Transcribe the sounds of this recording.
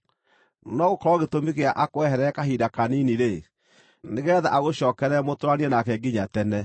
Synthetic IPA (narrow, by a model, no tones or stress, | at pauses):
nɔɣokɔɾɔɣetomiɣeaʔakoɛhɛɾɛkaɦidakaniniɾe | neɣeɛðaʔaɣoɕɔːkɛɾɛmotoɾaniɛnakɛɡiɲatɛnɛ